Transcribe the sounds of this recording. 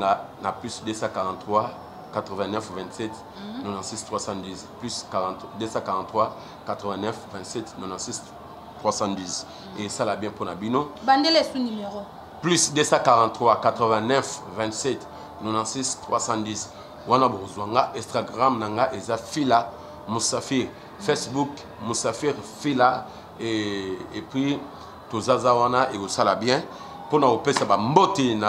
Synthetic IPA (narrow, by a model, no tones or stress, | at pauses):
anaplysdesãkaʁɑ̃twa | katʁəvɛ̃nɛfvɛ̃ntsɛt | nonãsistʁwasãdizplyskaʁ̃tdesãkaʁɑ̃ntwa | katʁəvɛ̃nɛfvɛ̃tsɛtnonãsis | tʁwasɑ̃diz | esalabjɛ̃ponabinobandelesunymeʁo | plysdesãkaʁɑ̃tχwakatʁəvɛ̃nɛfvɛ̃ntsɛt | nonãsistʁwasãdis | wanabokozwaŋɡaʔɛ̃staɡʁamnaŋɡaʔezafila | musafiʁ | fɛsbuk | musafiʁfila | eepwi | tozazawanaʔekosalabjɛ̃ | ponakopesabambotena